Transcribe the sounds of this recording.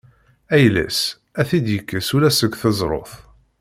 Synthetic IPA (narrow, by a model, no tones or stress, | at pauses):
æjlæ̰s | æθid̪jəkːəsulæsəɡʷθəzˤɾˤo̰θ